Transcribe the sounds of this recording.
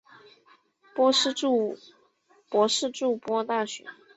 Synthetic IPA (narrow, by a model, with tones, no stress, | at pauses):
pɔ˥ʂ̩˥˧u˥˧ | pwɔ˧˥ʂɻ̩˥˧ʈ͡ʂu˥˩pwɔ˥t̪a˥˩ɕɥɛ̰˧˥˦